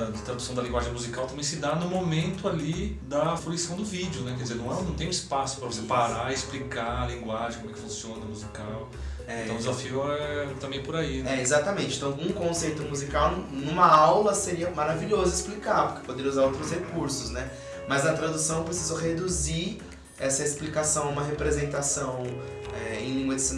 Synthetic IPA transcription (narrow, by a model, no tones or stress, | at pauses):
d͡ʒɪt̪ɾad̪usɐ̃w̃d̪ɐlĩŋɡwaʒẽj̃muzikawt̪ɐ̃mẽj̃sɪd̪anʊmomẽnt̪ʊalid̪ɐfuluisɐ̃w̃d̪ʊvid͡ʒjʊnɛkɛɾd͡ʒizeɾnɐ̃w̃ɛ̃nɐ̃w̃t̪ẽj̃ũispasʊ̥pɾɐvosepaɾaɪsplikalĩŋɡwaʒẽkomɛkɪ̥fũsiõnɐnɐmuzikaw | ɛ̃t̪ɐ̃w̃dd͡ʒɪzafiʊɛɛt̪ɐ̃mbẽj̃poɾaiɛezat̪ɐmẽnt͡ʃɪ̃t̪ɐ̃ũkõsejt̪ʊmuzikawnnũmɐawlɐseɾiɐmaɾaviʎozʊisplikaɾpoɾke̥pod̪eɾiɐuzaɾowt̪ɾʊshekuɾsʊsnɛ | mɐznɐt̪ɾad̪usɐ̃w̃pɾesizoɦed̪uziɾ | ɛsɐesplikasɐ̃w̃ũmɐɦepɾezẽnt̪asɐ̃w̃ | ɛẽj̃lĩŋɡwɐd͡ʒɪsin